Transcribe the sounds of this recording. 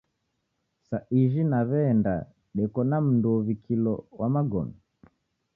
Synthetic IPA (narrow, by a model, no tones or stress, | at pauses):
saʔiʒinaβɛnda | ɗɛkɔnam̩nduɔβikʰilɔwʔamaɡɔ̰nɔ